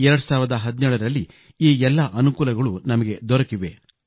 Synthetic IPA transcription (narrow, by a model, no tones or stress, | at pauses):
ɛɾɐɽusaːʋiɾɐd̪ɐɦɐd̪nɛːɭɐɾɐlːi | iːɛlːɐʔɐnukuːlɐɡɐɭunɐmɐɡe̞d̪ɔɾɐkiʋe